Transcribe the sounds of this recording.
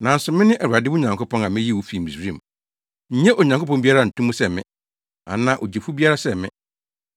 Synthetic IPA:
nã˨n̩˦sʊ˨mɪ̃˦nɪ̃˦ʔɛ˨wa˨dɪ˦wʊ˦ɲã˨ŋko˦pʰɔ̃˦nã˨mɪ̃˦ji˦˨wu˦fi˨m̩˨i˨sɾĩ˦˨m | ɲ̩˦ɲɛ̃˦ʔo˨ɲã˨ŋko˦pɔ̃˦mbi˦a˦ɾa˦˨n̩˨tũ˦mũ˦sɛ˦˨mɪ̰̃˦ | a̰˨nã˨ʔo˨d͡ʑe˨fu˦bi˦a˦ɾa˦sɛ˦˨mɪ̰̃˦

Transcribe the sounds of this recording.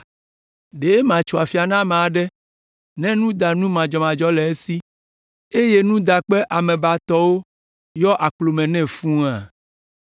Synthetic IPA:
ɖe˨e˦mã˨t͡ʃu˨a˨fi˨a˨nã˦mã˨a˨ɖɛ˦ | nɛ̃˦nũ˦d̪a˨nũ˦mã˨d͡ʒɔ˨mã˨d͡ʒɔ˦lɛ˨e˦si˦ | e˦je˦nũ˦d̪a˨k͡pɛ˦ʔa˨mɛ̃˨ba˨t̪ɔ˦wo˦ | jɔ˦ʔa˨k͡plo˨mɛ̃˨nɛ̃˦˨fũ˦a˨

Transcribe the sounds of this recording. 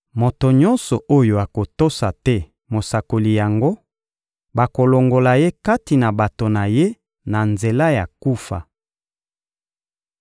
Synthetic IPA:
mo˨to˨ɲɔ˦nsɔ˨ʔo˦jo˨a˨ko˨to˦sa˨tɛ˦ | mo˨sa˨ko˨li˨ja˨ŋɡo˦ | ba˨ko˨lo˨ŋɡo˨la˨je˦ka˦ti˨na˨ba˨to˨na˨je˦ | na˨nze˨la˦ja˨ku˦fa̰˨

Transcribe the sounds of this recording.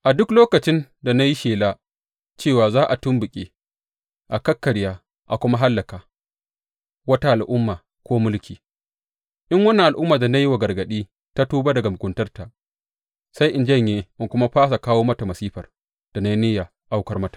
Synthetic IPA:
ʔa˨dʊ˦kloː˦kɐ˨t͡ʃɪ˦nda˨na˦ji˦ʃeː˨la˦ | t͡ʃeː˦˨waː˨zaː˦ʔa˨tʊ˦mbʊ˨kʲʼḛː˦ | ʔa˨kɐ˦kːɐ˨ɽjaː˦ | ʔa˨kʷʊ˦ma˦ɦa˦lːɐ˨kaː˨ | wɐ˦ta˦ʔa˨lʔʊ˦mːaː˨ | kʷoː˦mʊ˦lkʲiː˨ | ʔɪ˦ŋwɐ˦nːa˨ʔa˨lʔʊ˦mːaː˨da˨na˦ji˦wa˨ɡɐ˨rɡɐ˨ɗiː˦ | ta˦tuː˦ba˦dɐ˨ɡa˨mʊ˨kʷʼʊ˨ntɐ˦rta˨ | sa˦jʔɪ˨nd͡ʒɐ˦ɲjeː˦ʔɪ˨kʷʊ˦ma˦ɸaː˦s̬a˨kaː˦woː˦mɐ˦ta˨mɐ˨siː˦ɸɐ˨r | d̥a˨na˦ji˦nɪ˦ja˨ | ʔa˦wkɐ˦rmɐ˦tḁː˨

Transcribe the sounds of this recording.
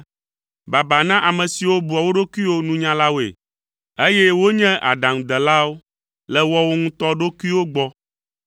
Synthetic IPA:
ba˨ba˨nã˦ʔa˨mɛ̃˨si˨wo˦bu˨a˨wo˦ɖo˦kʷu˦i˦wo˦nũ˦ɲã˦la˦wo˨ḛ˨ | e˦jɛ˦wo˦ɲɛ̃˦ʔa̰˨ɖã˨ŋ̃˨d̪ɛ˨la˦wo˦ | lɛ˨wɔ˦wo˦ŋũ˦t̪ɔ˦ɖo˦ku˦i˦wo˦ɡ͡bɔ˦

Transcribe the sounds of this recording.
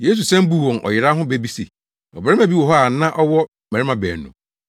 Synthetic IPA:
je˦s̬u˨sɛ̃˦m˦bu˦˨wɔ̃˨nʔɔ̰˨jɪ˨ɾa˦ɦʊ̃˦be˦bi˦sḛ˨ | ɔ˨bɾɛ˦mæ̃˨bi˦wɔ˨ɦɔ˦a˨nã˦ʔɔ˦wɔ˦ | mæ̃˨ɾɪ˦mã˨bɛ̰ː˨nʊ̰̃˨

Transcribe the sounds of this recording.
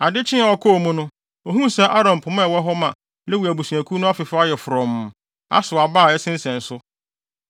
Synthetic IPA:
a˨dɪ˦t͡ɕʰɪ̃˦a˨ɔ˦kʰɔ˦˨mũ˦nʊ̃˦ | o˨ɦũ˦sɛ˦ʔa˦ɾã˨m˨pʰʊ˨mã˦˨wɔ˦ɦɔ˦mã˨ | lɛ˦wu˨æ˨bu˨su˨æ̃˨kʰu˦nʊ̃˦a˦fɪ˨fʊ˦a˦jɛ˨fʊ˨ɾɔ̃˨m | a̰˦sʊ˨a˨baː˦˨ɛ˦sɪ̃˦n˦sɛ̃˨n̩˨sʊ˦

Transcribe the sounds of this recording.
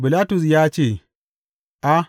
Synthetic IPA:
bɪ˨laː˦tʊ˨s̬jaː˦t͡ʃeː˦˨ | ʔa˦

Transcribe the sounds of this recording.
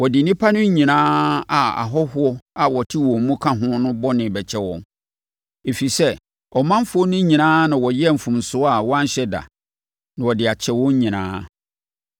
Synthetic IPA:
wɔ˨dɪ˨nĩ˦pʰa˦nʊ̃˦ɲĩ˨nãː˦a˨a̰˨ɦɔ˦hʊ˦ɔ˦a˨wɔ˨tʰi˦wɔ̃˨˦mũ˦kʰã˦ɦʊ̃˦nʊ̃˦bɔ˦nɪ̃˨bɛ˨t͡ɕʰɛ˦wɔ̰̃˨n | e˨fi˨sɛ˦ | ɔ˨mã˦m˦fʊ˦ɔ˦nʊ̃˦ɲĩ˨nãː˦nã˨wɔ˨jɛ˦˨m̩˨fũ˨m˨sʊ˦a˨wɔ˦a˦ɲ˦ɕɛ˦da̰˨ | nã˨wɔ˨dɪ˨a˨t͡ɕʰɛ˦wɔ̃˦ɲ˦ɲĩ˨nã̰ː˦

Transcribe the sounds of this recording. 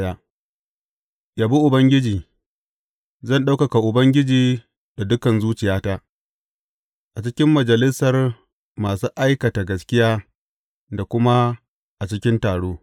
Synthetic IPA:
ja˦ | jaː˨bu˦ʔʊ˨bɐ˦ŋɡʲɪ˦d͡ʒiː˨ | zɐ˦˨nɗa˦wkɐ˨ka˨ʔʊ˨bɐ˦ŋɡʲɪ˦d͡ʒiː˨ | da˨dʊ˦kɐ˨nzuː˦t͡ʃɪ˨jaː˦taː˦ | ʔa˨t͡ʃɪ˦kʲɪ˦mːɐ˨d͡ʒɐ˨lɪ˦sɐ˨r | maː˨suː˦ʔa˦jkɐ˨ta˨ɡɐ˨skʲɪ˦jaː˦ | da˨kʷʊ˦ma˦ | ʔa˨t͡ʃɪ˦kʲɪ˦ntaː˨ɽoː˦

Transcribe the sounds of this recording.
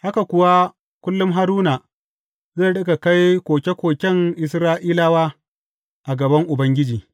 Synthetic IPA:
ha˦ka˨kʷʊ˨wa˦ | kʷʊ˦lːʊ˦mɦa˦ɾuː˦naː˨ | ze˦˨ɗɐ˦ɡa˨ka˦jkʷoː˨kʲe˦kʷoː˨kʲɛ˦ŋʔɪ˨sɾaː˦ʔiː˦laː˦waː˦ | ʔa˨ɡɐ˨bɐ˦ŋʔʊ˨bɐ˦ŋɡʲɪ˦d͡ʒiː˨

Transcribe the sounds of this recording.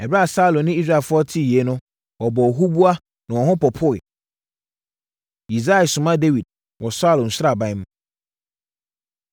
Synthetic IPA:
ɛ˨bɾa˦a˨sa˦lõ˨nɪ̃˦i˦s̬ɾa˦˨fʊ˦ɔ˦tʰi˦˨je˨˦nʊ̃˦ | wɔ˨bɔ˨ɔ˨ɦu˦bu˦a˦ | nã˨wɔ˨hʊ̃˦pɔ˨pʰʊ˦ɪ˨ | i˨za˦ɪ˨sʊ̃˨mã˦de˦wi˨d̚ | wɔ˨sa˦lʊ̃˨n̩˨sʊ˦ɾa˨bã˦jm̃˦

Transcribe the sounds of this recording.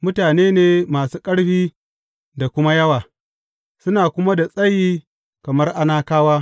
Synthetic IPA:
mʊ˦taː˨neː˦neː˦maː˨suː˦kʼɐ˦ɽɸiː˦ | da˨kʷʊ˦ma˦jɐ˦waː˨ | sʊ˦naː˨kʷʊ˦ma˦da˨sʼɐ˦jiː˦ | kɐ˨mɐ˦rʔa˦naː˦kaː˦waː˦

